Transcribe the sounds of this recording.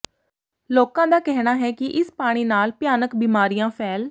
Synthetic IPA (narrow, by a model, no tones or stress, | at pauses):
loːkãːd̪aːkɛɦɽ̃aːɦɛːkɪʔɪspaːɽ̃iːnaːlpjaːnəkbiːmaːɾijãːpʰɛːl